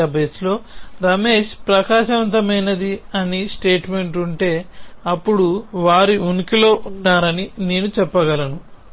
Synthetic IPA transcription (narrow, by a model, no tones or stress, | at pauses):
ɐbeːslo̞ːɾɐme̞ːʃpɾɐkaːʃɐʋɐnt̪ɐmɐjnɐd̪iɐnisʈe̞ːʈme̞ɳʈuɳʈe̞ːɐpːuɽuʋaːɾiunikilo̞ːʔunːaːɾɐnineːnut͡ʃɛpːɐɡɐlɐnu